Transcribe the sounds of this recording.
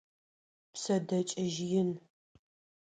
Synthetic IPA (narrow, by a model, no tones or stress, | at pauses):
psɐdɐt͡ʃʼɐʒjɪn